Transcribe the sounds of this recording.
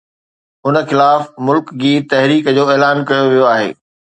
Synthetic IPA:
ʊnə̆xɪlaːfmʊlkd͡ʑiːt̪ɐɦɾiːkəd͡ʑoːeːlaːnkɐjoʋijoaːɦḛː

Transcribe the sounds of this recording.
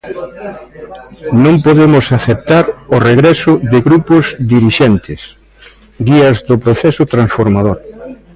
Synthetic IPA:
nõmpoðemʊsaθep̚t̪aɾʊreɣɾɛsʊðɪɣɾupʊzd̪iɾiʃent̪ɪs | ɡiɐzðʊpɾoθɛsʊt̪ɾãnsfoɾmað̞oɾ

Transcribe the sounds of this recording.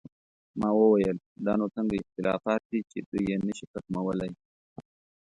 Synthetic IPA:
mɑwəwajəl | d̪ɑnot͡səŋɡaɪxt̪ɪlɑ̰fɑt̪̚d̪it͡ʃed̪ujjenəʃitakmawəlaj

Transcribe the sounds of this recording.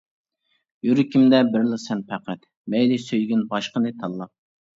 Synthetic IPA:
juɾɨkʲʰimd̪ɛbɪɾlˠɨsɛnpʰɛqʰæt̪ | mɛjlɪsøjɡʲinbɑʃqənɨt̪ʰɑlˠːɑq̚

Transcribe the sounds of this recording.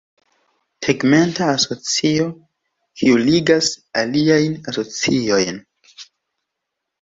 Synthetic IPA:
tʰeɡme̞ntaːso̞t͡sio̞ | kʰiuliɡasaliajnaso̞t͡sio̞jn

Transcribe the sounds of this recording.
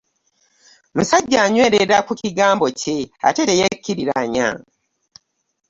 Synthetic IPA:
musaɟːaːɲwe̞ːɾeɾakuciɡaːmbo̞ce̞a̰tetejekːiɾiɾaɲa̰

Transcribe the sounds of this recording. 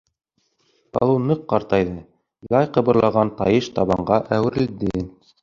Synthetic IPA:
ɑ̰lˠɤwnɤqːɑɾt̪ɑjðɤ | jˠɑjqɤ̆βɤ̆ɾlˠɑʁɑnt̪ɑ̰jɤʃt̪ɑβɑɴɢɑʔæwɘ̆ɾɘ̆ld̪ɘ

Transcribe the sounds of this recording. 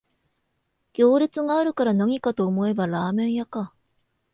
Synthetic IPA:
ɡ̥ʲo̞ːɾʲit͡sɨɡaːɾɯ̟kaɾanaɲ̟ikat̪o̞ːmo̞e̞baɾaːmẽ̞ɰ̃jaka

